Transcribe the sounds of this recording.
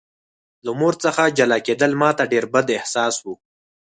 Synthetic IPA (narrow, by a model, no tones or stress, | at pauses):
lamoɾt͡səxad͡ʒalɑked̪əlmɑt̪aɖeɾbad̪ɪhsɑːswu